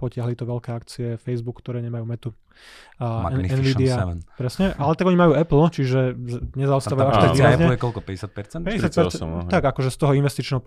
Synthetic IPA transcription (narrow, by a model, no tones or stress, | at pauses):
pɔcɪaɦlit̪ɔʋɛʎkɛːakt͡siɛfɛjzbukːt̪ɔɾɛːɲɛmajuːmɛt̪u | ɛnɛnʋiːd̪ianpɾɛsɲɛʔalɛt̪aɡɔɲimajuːɛpl̩t͡ʃiʒɛɲɛzaɔst̪aʋauaʃt̪aɡʋiːɾazɲɛlɛkɔlkɔpɛɟɛsjat̪̚pɛɾt͡sɛnpɛɛjat̪pɛɾ̰t̪aɡakɔʒɛst̪ɔɦɔinʋɛst̪it͡ʃnɛːɦɔ